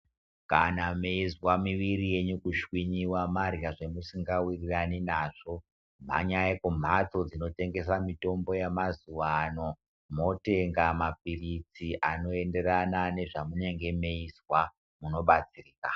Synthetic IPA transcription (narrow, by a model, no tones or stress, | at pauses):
kanameizwamiʋirije̞ɲukuʃwiɲiwamarjaʐemusiŋɡawiriraninaʐo̞ | m̤a̰ɲajekum̤ato̞d͡zino̞te̞ŋɡe̞s̬amito̞mbo̞jemazuʋano̞ | mo̞teŋɡamap̚irit͡siʔano̞e̞nde̞ɾanane̞ʐamune̞ŋɡe̞me̞izwa | muno̞ɓat͡siriːka